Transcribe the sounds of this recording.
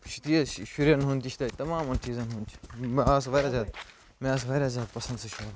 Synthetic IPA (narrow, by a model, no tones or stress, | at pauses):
ʃit̪iɐʃuɾjɐnɦũnt̪iʃʰit̪aːt̪ɐmãːmɐnt͡ʃiːzɐnɦũnt͡ʃʰmaːsʋɐːɾaːzjaːd̪ | mẽaːs̬ʋɐːɾjaːzʲjaːd̪pɐsɐ̃nd̪seʃa